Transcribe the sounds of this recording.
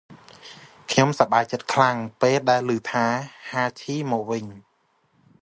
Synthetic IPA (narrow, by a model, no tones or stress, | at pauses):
kʰɲomsaɓaːjt͡ɕət̪̚kʰlaŋpeːlɗaɛlːɨːt̪ʰaːhaːt͡ɕʰiːmɔːk̚ʋɨɲ